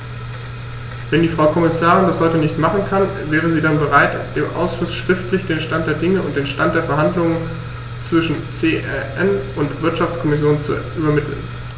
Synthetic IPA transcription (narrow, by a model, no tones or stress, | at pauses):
v̥ɛndiːfʁ̥aʊkʰɔmɪsaːʁɪndashɔʏtənɪçtmaχn̩kʰanvɛːʁ̞əziːdanbəʁaɪtd̥eːmʔa̰ʊsʃʊsʃʁ̥ɪftlɪçd̥eːnʃtant̚d̥eːɐdɪŋəʊnt̚d̥eːnʃtant̚d̥eːɐfɛɐɦandlʊŋən | t͡sv̥ɪʃn̩t͡seːʔɛʔɛnʊntv̥ɪɐtʃaft͡skʰɔmɪsjoːnt͡sṵʔyːbɐmɪtʰl̩̰n